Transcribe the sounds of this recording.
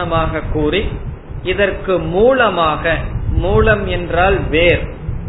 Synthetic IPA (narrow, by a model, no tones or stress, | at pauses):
ɐmaːɣɐkːuːri | ɪðɐrkɯmuːlɐmaːɣɐmuːlɐmɛndraːlʋeːɾ